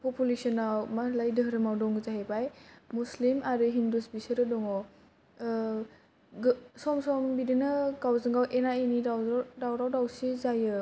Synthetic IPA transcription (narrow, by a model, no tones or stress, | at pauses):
pɔpulesɔnamalajdɯɦɾɯmawdɔŋzaɦebajmuslimaɾɯɦindusbisɯɾɯdɔŋɔ | ɡsɔmsɔmbidinɯɡawzɯŋɡawʔenainidadawɾawdawsizajɯ